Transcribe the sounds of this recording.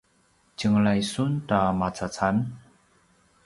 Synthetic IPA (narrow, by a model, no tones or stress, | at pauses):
t͡ɕɯŋlajsuntamat͡sʰat͡sʰan